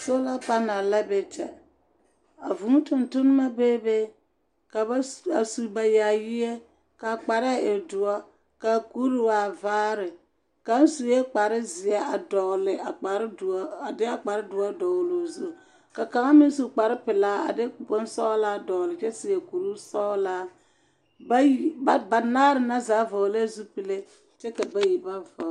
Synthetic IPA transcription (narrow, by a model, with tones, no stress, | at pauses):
so˦la˦pa˦na˨la˦be˨t͡ʃɛ̰˨ | a̰˨vu˨ŋu˦tʊ˨ntʊ˦n˦ma˦beː˦be˦ | ka˨ba˦a˨su˨ba˨ja˨jɪ˦e˦ | ka˨k͡pa˨ɾɪ˦a˦˨ɪ˨dʊ˨ɔ˦ | ka˨ku˦ɾu˦˨wa˨vaː˦ɾɪ˨ | ka˦n˦su˨je˦k͡pa˨ɾɪ˦zɪ˨ɛ˦a˨dɔ˨lɪ˨a˨k͡pa˨ɾa˨dɪ˦a˨k͡pa˨ɾɪ˦dʊ˨a˦dɔ˨wlo˨zu˦˨ | ka˨ka˨ŋa˦mɪ˦su˨k͡pa˨ɾɪ˦pɪ˨laː˦a̰˨de˦bʊ˦n˦sɔ˦la˦dɔ˨lɪ˨t͡ʃɛ˦sɪ˨a˨ku˨ɾu˦sɔ˦laː˦ | ba˦˨a˨ba˨naː˦ɾɪ˨na˦zaː˨˦vo˨le˦zu˦pi˨le˦ | t͡ʃɛ˦ka˨ba˦ji˨ba˦vɔ˨˦